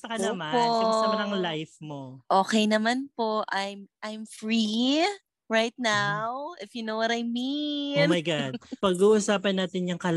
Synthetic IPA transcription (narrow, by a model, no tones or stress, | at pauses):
sɐkɐɐmaposɐmsɐmɐnɐŋlajfmoʔo̞ːkɛjnɐmanpo̞ʔajmʔajmfɹi | ɹajt̪̚nawʔɪfjunowɐt̪ajmiomɐjɡad̪̚pɐɡuːʔusaːpɐnːaːt̪ɪnjʊŋkɐl